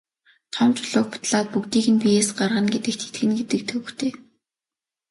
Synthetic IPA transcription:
t̪ʰɔmt͡ɕʊɮʊːkpʊ̥t̪ɮaːt̪̚pukt̪iːkɘ̆npijeːsɢarʁə̆nɡet̪ɘ̆k̚t̪ʰe̥t̪ɡɘ̆nɡet̪ɘ̆k̚t̪ʰɵw̆xt̪ʰeː

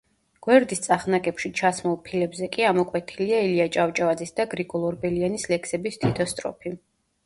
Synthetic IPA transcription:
ɡ̥wɛɾd̪ist̪sʼaχnakʼɛpʃit͡ʃʰasmɔlˠpʰilɛbzɛkʼiamɔkʼwɛt̪ʰiliailiat͡ʃʼavt͡ʃʼavad̪zisd̪aɡɾiɡʼɔlˠɔɾbɛlianislɛksɛbist̪ʰʼit̪ʰɔst̪ʼɾɔ̰pʰi

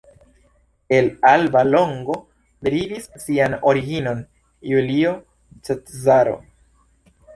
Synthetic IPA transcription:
e̞lalbalo̞ŋɡo̞ | bɾivisːiano̞ɾiɡino̞n | julio̞ | t͡ʃetzaɾo̞̰

